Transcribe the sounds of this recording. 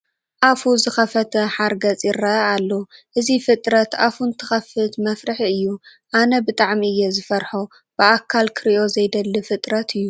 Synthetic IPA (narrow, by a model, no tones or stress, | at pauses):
ʔafuzɨxɐfɐt̪ʰɐħaɾɡɐt͡sʼiɾɐalːoʔɨzifɨt̪ʼɾɐt̪afunt̪ʰɨ̥xɐfɨt̪mɐfɾɨħiɨjːuʔanɐbɨt̪ʼaʕmiɨjːɛzɨfɐɾħo | b̥ɨʔakʰːalkʰɨɾʔo̞zɐjd̪ɐlːɨfɨt̪ʼɾɐt̪ʰɨjːu